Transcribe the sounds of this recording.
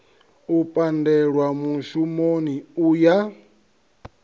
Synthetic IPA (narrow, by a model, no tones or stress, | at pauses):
upʼandɛɺwamuʃumoniuja